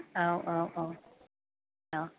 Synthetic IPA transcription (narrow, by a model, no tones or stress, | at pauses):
oʊʔoʊʔoʊ | oʊ